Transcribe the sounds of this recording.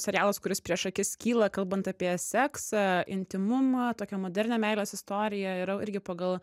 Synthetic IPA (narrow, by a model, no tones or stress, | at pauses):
sʲɛɾʲjæːlˠɐskʊɾʲɪspʲɾʲiɛʃɐkʲɪskʲiːlˠɐkɐlˠbɐnt̪ɑpʲiɛsʲɛksɐʔɪnʲt̪ʲɪmʊmɐt̪oːkʲɛmoːd̪ʲɛɾʲnʲɛːmʲɛɪlʲɛsɪst̪oːɾʲɪjɛɪɾɐɪɾʲɡʲɪpɐɡɐlˠ